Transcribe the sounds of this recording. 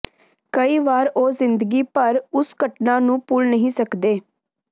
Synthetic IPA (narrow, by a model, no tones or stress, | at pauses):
kəiːʋaːɾoːzɪnd̪əɡiːpəɾʊsɡəʈnãːnũːpʊlnəɦĩːsəkd̪eː